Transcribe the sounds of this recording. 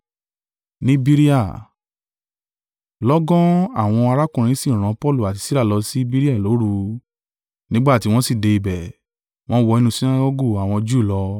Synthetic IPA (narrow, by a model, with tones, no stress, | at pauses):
nĩ˦bi˦ɾi˦a˦˨ | lɔ˦ɡɔ̃˦a̰˦˨w̃ɔ̃˧a˧ɾa˦kũ˨ɾ̃ĩ˨˧˦si˦˨ɾ̃ã˨˧pɔ˦˨lu˦˨a˨ti˧si˦ɾa˦˨lɔ˧si˦bi˦ɾi˦a˦˨lo˨˦ɾu˧ | nĩ˦ɡ͡ba˦˨ti˧˦w̃ɔ̃˦si˦˨de˧i˧bɛ˨ | w̃ɔ̃˦wɔ˧i˧nũ˧si˦na˦ɡɔ˦ɡo˦˨a˨w̃ɔ̃˧d͡ʒu˦˨lɔ˧˦